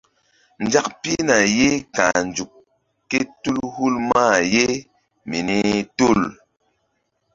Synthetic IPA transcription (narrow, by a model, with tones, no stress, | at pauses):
n˨d͡ʒa˦k̚pi˦na˨je˦ka̰˨nd͡ʒu˨kː | e˦tu˦lhu˦lma˦˨je˦ | mi˨ni˦tu˦˨l